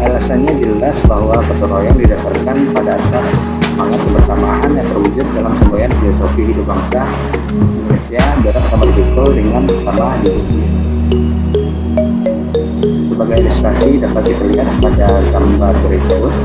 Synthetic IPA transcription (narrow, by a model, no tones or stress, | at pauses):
ʔalasanɲad͡ʒəlasbaɦwapərt̪oɾojaŋdidasarkanpadaːt̪as | maŋat̪̚kəmərt̪amaʔanjaŋt̪ərhud͡ʒʊt̪̚dalamsəmuajanfilosofiɦidʊp̚baŋsa | iŋɡolesiadaɾat̪̚samat̪̚buk̪ɔldəŋanbərt̪amadiduki | səbaɡajinst̪ɾasidapat̪̚dit̪ərliɦat̪kə̥padaɡambarbəɾekoʊt̪